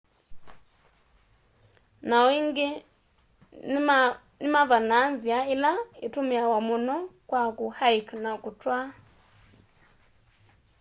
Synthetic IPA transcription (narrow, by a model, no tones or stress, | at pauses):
nawiŋɡi | nimavananziailaitumiawamunɔkwakuhaiknakutwa